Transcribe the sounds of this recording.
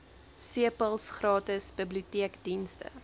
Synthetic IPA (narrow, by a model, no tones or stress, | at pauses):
siəpəlˠsχrɑːtəsbibliutiəkdinstə̰